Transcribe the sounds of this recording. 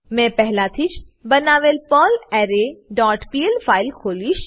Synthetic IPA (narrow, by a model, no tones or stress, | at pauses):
mɛ̃pɛɦlat̪ʰit͡ʃbɐnaːʋelpɔːlɛːɾeɖɔːʈpiːelfʰaːɪlkʰoːliʃ